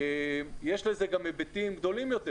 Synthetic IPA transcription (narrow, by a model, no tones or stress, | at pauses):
emjeʃlezeɡamebet̪imɡd̪o̞limjo̞t̪e